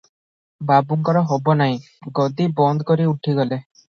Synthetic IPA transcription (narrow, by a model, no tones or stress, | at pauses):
babuŋkɔɾɔɦɔbɔnaɦĩ | ɡɔd̪ibɔnd̪ɔkɔɾiuʈʰiɡɔle